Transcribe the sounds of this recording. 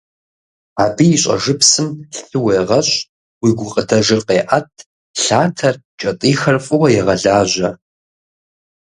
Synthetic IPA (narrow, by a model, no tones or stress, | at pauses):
aːbijːɕʷʼɐ̰ʐɨpsɨmɬɬɨwɐjʁɐɕʼ | wiɡʷʊqʼədɐʒɨqeːʔɐtʰ | ɬaːtʰɐr | t͡ʃʼɐtʼiːxɐrfʼɨwɐjɛʁɐɮaːʑʷɐ